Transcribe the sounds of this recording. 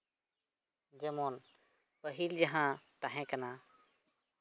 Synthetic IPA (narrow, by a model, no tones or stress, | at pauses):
d͡ʒəmoːn | pəɦild͡ʒəɦãːt̪aɦɛ̃ːkənãː